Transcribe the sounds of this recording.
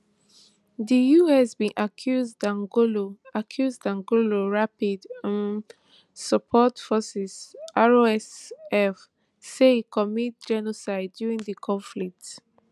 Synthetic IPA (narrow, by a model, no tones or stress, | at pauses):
ðijuɛsbĩʔakʰjuzdãŋɡoloakʰjuzdãŋɡoloɹapidãn | səpʰɔtfɔsisaɹoɛsɛf | sekʰɔmit̚d͡ʒɛnosaɪdːjuɹĩŋdəkʰɔ̃ɱflik̚t